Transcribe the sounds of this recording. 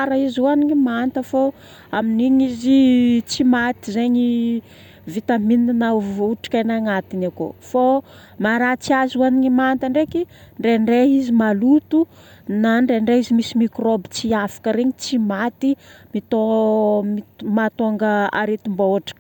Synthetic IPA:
aɾaizuaniɲimant̪əfo | aminiɲizit͡simat̪izeɲi | vit̪amininanauʈ͡ʂi̥kanaŋat̪inako̰fo | maɾat͡siazuaniɲimant̪əɳɖ͡ʐeki | ɳɖ͡ʐeɳɖ͡ʐeizimalut̪u | naɳɖ͡ʐeɳɖ͡ʐeizimisimikrobi̥t͡siafḁkəɾeɲit͡simat̪imit̪omimat̪oŋɡəa̰ɾet̪umbaoʈ͡ʂḁk

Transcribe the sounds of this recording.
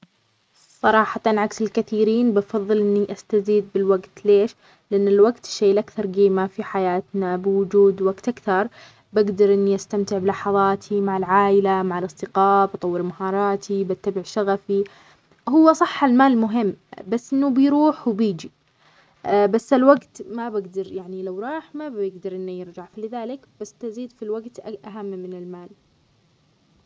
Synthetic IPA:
sˤɑɾˤɑːħɑt̪ɑnʕaksɪlkaθiːɾiːnbɑfɑðˤːɨlʔɪnːiʔast̪aziːd̪̚bɪlwaɡt̪leːʃ | lɪʔanːɪlwaɡt̪ɪ̥ʃːejːlʔakθɑɾˤɡiːmafiħajaːt̪nabɪwʊd͡ʒuːd̪waɡt̪ʔakθɑɾˤ | baɡd̪ɑɾˤʔɪnːiʔast̪amt̪ɪʕbɪlɑħɑðˤɑːt̪ʰimaʕalʕaːʔɪlamaʕalʔɨsˤt̪ɪqɑːbɑt̪ˤɑwːɪɾmahɑːɾˤɑːt̪ʰibat̪ːabɪʕʃaɣafi | hʊwːasˤɑħːalmaːlmʊɦɪmːbasːʔɪnːubɪjɾuːħwbiːd͡ʒi | basːalwaɡt̪mabaɡd̪ɑɾˤjaʕnilawɾˤɑːħmabjɪɡd̪ɑɾˤʔɪnːujɪɾd͡ʒaʕfilɪðaːlɪkb̥asːt̪aziːd̪filwaɡt̪ʔaɦamːmɪnɪlmaːl

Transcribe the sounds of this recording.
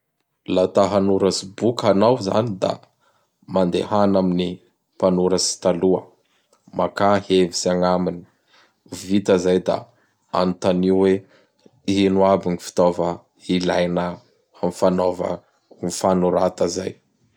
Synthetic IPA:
lat̪aɦanuɾəsibukanawza̰nid̪a̰ | mand̪ḛhanamini | panuɾəsi̥t̪aluə | makahevisaŋamini̥ | vit̪əzajd̪a̰ | a̰nt̪aniuwe | inuabinifi̥t̪ovə | ilajnə | mifanovə̰ | mifanuɾat̪əzaj

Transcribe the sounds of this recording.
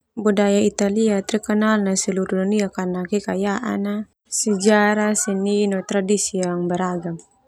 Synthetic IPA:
budajait̪aliat̪ɾikɔnalnasɛluɾduniakanakɛkajaʔa̰na | səd͡ʒaɾasɛninɔt̪ɾadisiaŋbəɾaɡam

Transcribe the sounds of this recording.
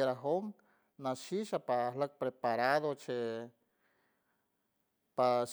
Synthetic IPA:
eɾaɦom | naʃiʃapalək̚pɾepaɾaðot͡ʃe | paʃ

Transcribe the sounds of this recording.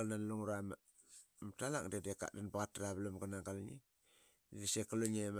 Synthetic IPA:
lnanluŋuɾama | mtalaŋdedeka̰danbaɣataɾaβlamɡanaŋɡalɲḭ | dedisekaluɲem

